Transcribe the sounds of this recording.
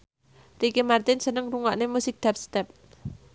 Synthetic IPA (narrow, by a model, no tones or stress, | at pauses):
rikemart̪ɪnsənəŋruŋa̰ʔnemusɪk̚d̪̥ap̚st̪ɛp̚